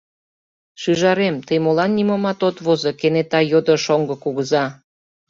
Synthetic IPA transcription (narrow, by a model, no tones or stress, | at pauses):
ʃyʒɑɾemt̪əjmolɑnːimomɑt̪ot̪βozɤkenet̪ɑjod̪əʃoŋɡɤ̆kuɣəzɑ